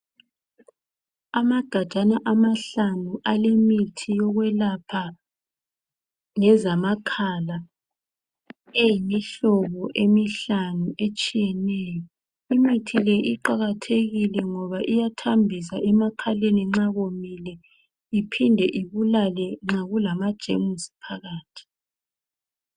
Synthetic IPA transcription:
amaɡ̥ʱad̥ʒ̥ʱanaʔamaɬanuʔalemitʰijɔɣwɛlapʰa | ŋɛzamakʰala | ejimiɬɔβɔʔemiɬanuʔet͡ʃʼijɛnɛːjɔ | imitʰilɛʔiǃaɣatʰeɣilɛŋɔβaʔijatʰambʱisaʔɛmakʰaleniŋ͡ǁaɣomilɛ | ipʰindʱɛʔiβulalɛŋ͡ǁaɣulamad̥ʒ̥ʱḛmusi̥pʰaɣaːtʰi̥

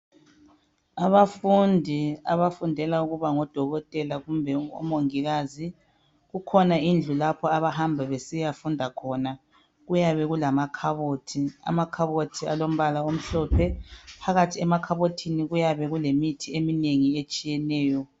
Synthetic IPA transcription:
aβafundʱia̰βafundʱɛlauɣuβaŋɔd̥ʱɔɣɔtʼɛlaɣumbʱɛɔ̰moŋiɣaːzi | ɣukʰɔnaind͡ɮʱulapʰɔaβaɦambʱɛβesijafundʱakʰɔna | ɣujaβɛɣulamakʰaβotʰia̰makʰaβotʰialom̩βalaom̩ɬɔːpʰɛpʰaɣatʰiɛmakʰaβotʰiniɣujaβɛɣulemitʰiemineŋiet͡ʃʼijɛnɛːjɔ

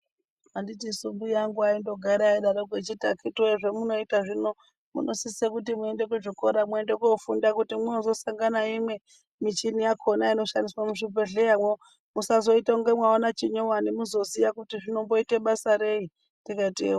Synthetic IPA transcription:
anditisumbujaŋɡuaindo̞ɡʱaɾaiɗaɾoɡwet͡ʃitakʰitueʐemuno̞itaʐino̞ | mṵnʔosisekut̬imue̞nde̞kuʐikoɾamwuendekofundakutimweozo̞saŋɡanaimwe̞ | mit͡ʃinijakʰonaino̞ʃandiswamuʐipeɮejamwe | musazo̞itauŋɡemwaonat͡ʃiɲowanimuzo̞ziʋakutiʐino̞mbo̞iteɓasaɾe̞i | tikaitḛwa

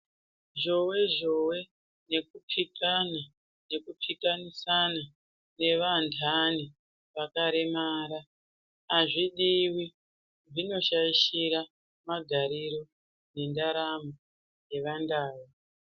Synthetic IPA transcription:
ʐo̞we̞ʐo̞we̞ | ne̞kupʰikana | ne̞kupʰikanisana | ne̞ʋantʰani | ʋakaɾemaːɾaː | ʐiɗiwi | ʐino̞ʃaiʃiɾa | maɡʱaɾiɾo̞ | ne̞ndaɾamo | je̞ʋandaːwi

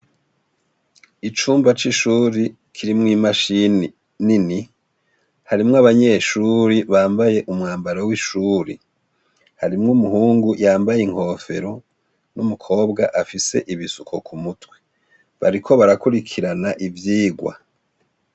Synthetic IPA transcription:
it͡ʃuːmbat͡ʃiʃuːɾi | kʰiɾimŋiːmaʃini | nini | haɾimŋaβaɲe̞ʃuːɾiβaːmbaje̞ʔumŋaːmbaɾawiʃuːɾḭ | haɾimŋumuɦuːŋɡujaːmbajeŋ̥ho̞ːfe̞̰ɾo̞ | numukʰo̞ːbɡaʔafise̞̰ʔiβisukʰo̞kʰumutwe̥ | βa̰ɾikʰo̞βaɾakuɾikʰiɾanaʔivjiːɡwa̰

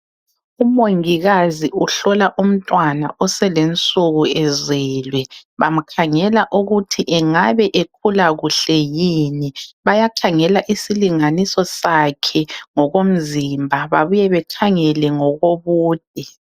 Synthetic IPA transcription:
umoŋiɣaziuɬɔlaʔum̩tʼwana̰ʔɔsɛlent͡sʼuɣuɛzɛːlwɛβam̩kʰaŋɛlaʔuɣutʰiʔɛŋaβɛʔek̚ʰulaɣuɬɛjiniβajaǃʰaŋɛlaʔisiliŋanisɔsakʰɛŋɔɣom̩zimbʱaβaβujɛβɛǃʰaŋɛlɛŋɔɣoβuːd̥̚ʼʱi

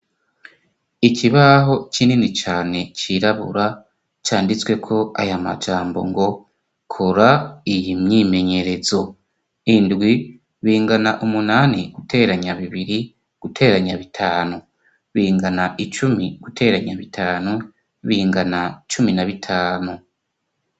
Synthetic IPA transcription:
icʰiβaɦo̞t͡ʃininit͡ʃaːne̞t͡ʃiɾaβṵɾa | t͡ʃaːndit͡swe̞kʰo̞a̰jama̰d͡ʒaːmbo̞̰ŋɡo̞ | kʰoɾaijimɲime̞ɲe̞ɾe̞zo̞ | indɡwi | βiːŋɡanaʔumunaniɡ̥utʰe̞ːɾaɲaβiβiɾi | ɡ̥utʰe̞ːɾaɲaβitʰaːnu | βiːŋɡanaʔit͡ʃumiɡ̥ute̞ːɾaɲaβitʰaːnu | βiːŋɡanait͡ʃuminaβitʰaːnu

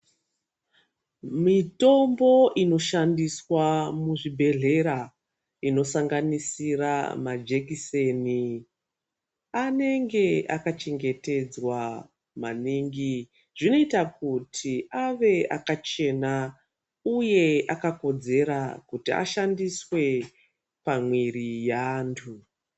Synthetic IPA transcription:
mito̞mbo̞ʔino̞ʃandiswamuʐibʱe̞ɮe̞ɾa | ino̞saŋɡanisira̰mad͡ʒe̞kise̞ni | ane̞ŋɡe̞akat͡ʃe̞ŋɡe̞te̞d͡zwa | maniːŋɡi | ʐ̥ino̞itakutʰiʔaʋe̞akat͡ʃe̞na | uje̞akako̞d͡ze̞ɾakutia̰ʃandiswe̞ | pamwirijaːntʰu

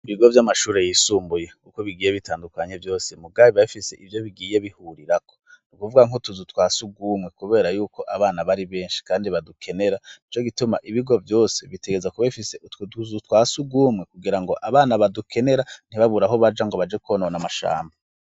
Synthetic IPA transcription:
iβiɡo̞vjamaʃuːɾe̞jisuːmbuje̞kuko̞βiɡiːje̞βitʰaːndukaɲe̞vjo̞ːse̞mub̚ɡaːβiβaβifise̞ʔivjo̞βiɡije̞βihuɾiɾako̥nukuvuɡaŋotuzutwaːsuɡuːmŋe̞kuβe̞ːɾajuːko̞ʔaβaːnaβaɾiβe̞ːnʃi̥kaːndiβadukʰe̞ne̞ɾait͡ʃo̞ɡituma̰ʔiβiɡo̞vjo̞ːse̞βiteɡezakuβaifisetuzutwaːsuɡuːmŋe̞kuɡiɾaŋɡo̞ʔaβaːnaβadukʰe̞ne̞ɾan̥iβaβuɾaɦo̞βad͡ʒaŋɡo̞βad͡ʒekuβonaonamaʃa̰ːmba

